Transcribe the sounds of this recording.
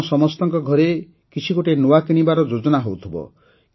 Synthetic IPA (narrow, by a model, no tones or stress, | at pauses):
sɔmɔst̪ɔŋkɔɡʱɔɾe | kit͡ʃʰikoʈenowakiɽ̃ibaɾɔd͡ʒod͡ʒɔnaɦowt̪ʰibɔ̰